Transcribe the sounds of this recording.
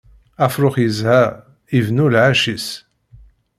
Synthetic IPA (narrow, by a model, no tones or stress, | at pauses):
æfɾʊχjəzhæʁ | ivnulʕaʃis